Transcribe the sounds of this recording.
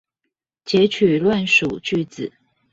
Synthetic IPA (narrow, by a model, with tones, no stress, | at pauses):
t͡ɕjɛ˧˥t͡ɕʰy˨˩lwa˥˨nʂu˨˩t͡ɕy˥˧t͡sɹ̩˨˩˦